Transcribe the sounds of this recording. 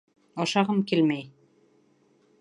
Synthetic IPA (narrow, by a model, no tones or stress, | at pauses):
ɑʃɑʁɤmkilmæj